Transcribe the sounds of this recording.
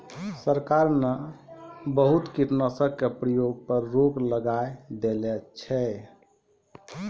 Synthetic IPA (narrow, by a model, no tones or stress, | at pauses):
səɾkaɾna | bəɦut̪kiʈnəsəb̚kepɾəjoɡ̚pəɾːokləɡajd̪elɛt͡ʃʰɛ